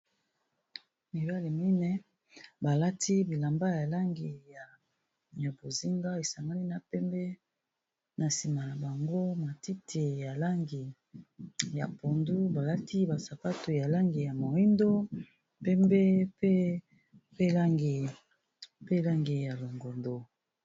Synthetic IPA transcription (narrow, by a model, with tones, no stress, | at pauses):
mi˨ba˦li˨mi˦nɛ˦ | ba˨la˦tʰi˦bi˨la˨mba˦ja˨la˦ŋɡi˨ja˨ | ja˨bo˨zi˦ŋɡa˦e˨sa˨ŋɡa˦li˦na˨pɛ˦mbɛ˦ | na˨si˨ma˨la˨ba˨ŋɡo˦ma˨ti˦tʰe˨ja˨la˦ŋɡi˨ | ja˨po˨ndu˦ba˨la˦ti˦ba˨sa˨pa˦to˨ja˨la˦ŋɡi˨ja˨mo˨i˦ndo˦ | pɛ˦mbe˦pe˦ | pe˦la˦ŋɡe˨ | pe˦la˦ŋɡe˨ja˨lo˨ŋɡo˨ndo˨